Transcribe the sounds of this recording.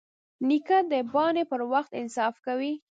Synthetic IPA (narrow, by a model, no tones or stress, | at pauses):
nikad̪əbɑnepəɾwaxt̪ɪnsɑfkawi